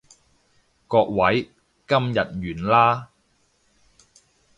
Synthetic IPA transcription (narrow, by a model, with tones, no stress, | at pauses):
kɔː˧k̚wɐ˨˥j | kɐ˥mjɐ˨t̚ɥyː˨˩nlaː˥